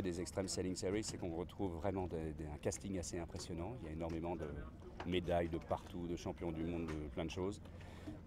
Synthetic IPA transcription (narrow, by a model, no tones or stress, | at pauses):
d̪ezɛkst̪χɛmsɛliŋseʁisɛkɔ̃ʁət̪χuvːʁɛmɑ̃d̪ed̪ɛ̃kast̪iŋaseɛ̃pχesjɔnɑ̃iljaenɔʁmemɑ̃d̪ə | med̪ajd̪əpaʁt̪ud̪əʃɑ̃pjɔ̃d̪ymɔ̃d̪ːəplɛ̃d̪əʃoz